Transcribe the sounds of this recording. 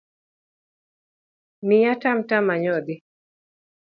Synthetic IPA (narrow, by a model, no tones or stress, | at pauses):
mijatamtamaɲɔd̪ɪ